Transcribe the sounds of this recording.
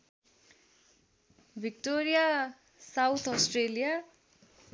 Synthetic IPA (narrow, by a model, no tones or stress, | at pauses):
bʱik̚ʈoɾija | sawt̪ʰɔsʈrelija